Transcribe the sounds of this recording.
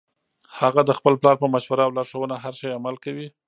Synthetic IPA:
haɣad̪əxpəlplɑɾpəmaʃwaɾawlɑɾʃəwənaɦaɾʃajamalkawi

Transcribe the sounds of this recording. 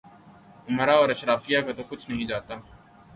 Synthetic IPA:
ʊmɾaɔːɾɐʃɾaːfijakat̪okʊt͡ʃʰnɐɦĩd͡ʒaːt̪aː

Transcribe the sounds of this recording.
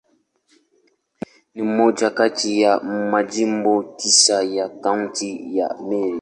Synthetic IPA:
nimod͡ʒakatijaʔ̩mad͡ʒim̩botisajakaŋtija̰ʔme

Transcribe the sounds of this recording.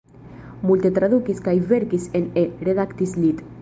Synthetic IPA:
mult̪et̪ɾaðukiskajβeɾkisenereðakt̪islit̪

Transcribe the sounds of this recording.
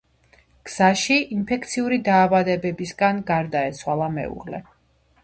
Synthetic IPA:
ɡ̥z̥aʃiinpʰɛk̚t̪sʰiuɾid̪aːvad̪ɛbɛbisɡanɡaɾd̪aɛt̪sʰwalˠamɛ̰ṵʁlɛ̰

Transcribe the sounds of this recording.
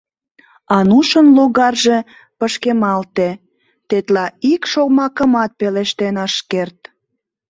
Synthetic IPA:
ɑnuʃənloɣɑrʒe̽ | pəʃkemɑlt̪e | t̪et̪lɑikʃoɣmɑkəmɑt̪̚peleʃt̪enɑʃkert̪

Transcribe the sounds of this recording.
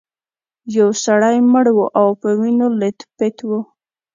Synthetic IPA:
jawsaɽajməɽwuʔawpəwinolet̪pɪt̪wu

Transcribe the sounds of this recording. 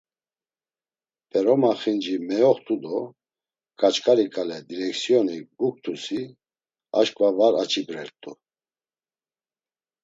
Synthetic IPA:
pʼɛɾɔmaχind͡ʒimɛjɔχt̪ʰʼud̪ɔ | kʼat͡ʃkʼaɾikʼalɛd̪iɾɛksiɔniɡuk̚t̪ʰusi | a̰ʃkʼvavaɾat͡ʃʰʼibɾɛɾt̪ʼu

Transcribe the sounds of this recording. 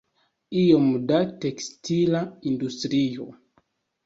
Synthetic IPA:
iomdate̞kstilaindustɾio̰

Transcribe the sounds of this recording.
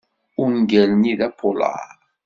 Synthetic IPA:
uŋɡɛlnidapʰola̰

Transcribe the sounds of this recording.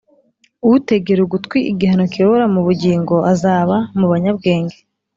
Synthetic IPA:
uwute̞ɡe̞ɾuɡutkwiʔiɡihano̞kijoβoɾamuβuɟiːŋɡo̞azaːβamuβaɲabɡe̞ːŋɡe

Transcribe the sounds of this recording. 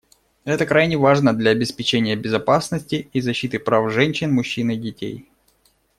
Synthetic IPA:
ɛt̪əkɾajnʲɪvaʐnəd̪lʲɐɐbʲɪspʲɪt͡ɕenʲɪjəbʲɪzɐpasnəsʲtʲɪizɐɕːit̪ɨpɾafʐɛnʲɕːɪnmʊɕːinɨdʲɪtʲḛj

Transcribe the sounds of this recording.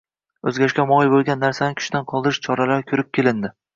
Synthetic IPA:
ɵzɡʲaɪʃʲkʲamɒɪbolˠɡʲanːaɾsanɪkʲʰʊ̥ʃd̪anqʰɒlˠd̪ɪɾɪʃt͡ʃʰɒɾalaɾkʲʰɵɾɪp̚kʲe̞lɪnd̪ɪ

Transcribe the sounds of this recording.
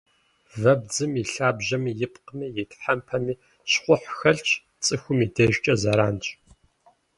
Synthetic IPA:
vɐbd͡zɨmiɬaːbʑɐmjɪpqəmiːjɪtʰʼħɐmpʰɐmiː | ɕχʷʊħxɐɬt͡ʃʰʼ | t͡sʼɨxʷʊmidɐʒt͡ʃʼɐzɐɾaːnt͡ʃʼ

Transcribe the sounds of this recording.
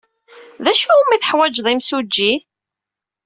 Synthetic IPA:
ðæʃumːiθəħwæd͡ʒðˤimsud͡ʒːi

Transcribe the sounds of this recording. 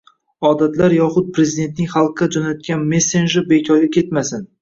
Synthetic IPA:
ɒd̪at̪laɾjɒχʊt̪̚pɾe̞zid̪e̞nt̪nɪŋʲχɑlˠqːad͡ʒɒnat̪̚kʲanme̞sːenʒɪɾbekʲʰɒɾɡʲakʲʰe̞t̪masɪn

